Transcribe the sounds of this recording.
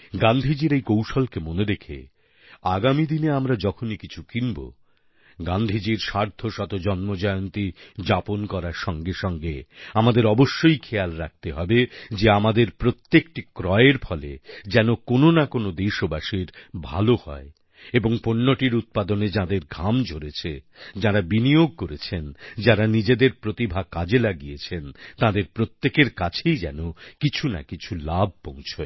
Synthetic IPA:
ɡand̪ʱid͡ʑiɾejkowʃolkemoneɾekʰḛ | aɡamid̪ineamɾad͡ʑɔkʰonikit͡ɕʰukinbo̰ | ɡand̪ʱid͡ʑiɾʃaɾd̪ʱoʃɔt̪od͡ʑɔnmod͡ʑɔeont̪id͡ʑaponkɔɾaɾʃɔŋɡeʃɔŋɡeamad̪eɾɔboʃːojkʰejalɾak̚t̪eɦɔbed͡ʑeamad̪eɾpɾot̪ːekʈikɾɔeeɾpʰɔlḛd͡ʑɛnokononakonod̪eʃobaʃiɾbʱa̰lohɔ̰e | eboŋponːoʈiɾut̪̚pad̪oned͡ʑãd̪eɾɡʱamd͡ʑʱoɾet͡ɕʰed͡ʑaɾabinijoɡ̚koɾet͡ɕʰend͡ʑaɾanid͡ʑed̪eɾpɾot̪ibʱakad͡ʑelaɡijet͡ɕʰent̪ãd̪eɾpɾot̪ːekeɾkat͡ɕʰejd͡ʑɛnokit͡ɕʰuna̰kit͡ɕʰulab̚ʱpõw̃t͡ɕʰo

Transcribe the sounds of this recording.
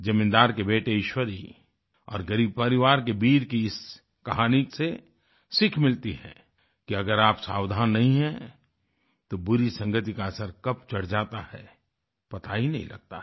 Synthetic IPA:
d͡ʒɐmɪ̃nd̪aːɾkebeːʈeɪʃwəɾḭ | ɔ̰ːɾɡəɾiːb̚pɐɾɪʋaːɾkebiːɾkiɪs | kɐɦaːnɪkse | sɪkʰmɪlt̪iɦɛ̰̃ | kiɐɡəɾaːpsaːwd̪ʱaːnːɐɦĩɦɛ̃ | t̪obʊɾisɐ̃ŋɡət̪ikaɐsəɾkɐp̚t͡ʃɐɽ̤d͡ʒaːt̪ahɛ | pɐt̪aɦinɐ̰ɦḭ̃lɐ̰ɡ̚t̪a̰

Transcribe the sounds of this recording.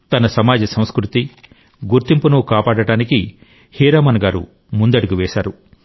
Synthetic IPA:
t̪ɐnɐsɐmaːd͡ʒɐsɐ̃w̃skɾut̪i | ɡuɾt̪impunukaːpaːɽɐɽaːniki | hiːɾaːmɐnɐɡaːɾṵ | mund̪ɐɽuɡiʋɛːʃaːɾu

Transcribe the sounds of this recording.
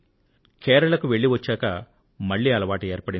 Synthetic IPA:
kɛːɾɐlɐkuʋe̞ɭːiʋɐt͡ʃːaːkɐ | mɐɭːiːɐlɐʋaːʈɐeːɾpɐɽi

